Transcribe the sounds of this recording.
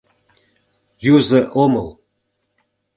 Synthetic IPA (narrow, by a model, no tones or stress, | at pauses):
juzɤʔomɤl